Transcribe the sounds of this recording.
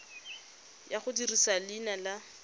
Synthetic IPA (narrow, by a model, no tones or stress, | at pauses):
jaχʊdirisalɪnala